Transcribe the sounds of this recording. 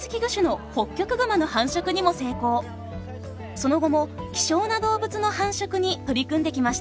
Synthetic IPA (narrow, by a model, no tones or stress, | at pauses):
sɨ̥kʲiɡɯ̟ɕɨno̞ho̞kʲːo̞kɯ̟ɡɯ̟manohãɰ̃ɕo̞kɯ̟ɲ̟imo̞se̞ːko̞ː | so̞no̞ɡo̞mo̞kʲi̥ɕo̞ːnad̪o̞ːbɯ̟t͡sɨno̞hãɰ̃ɕo̞kɯ̟ɲ̟it̪o̞ɾʲikɯ̟̃nd̪e̞kʲimaɕi̥t̪a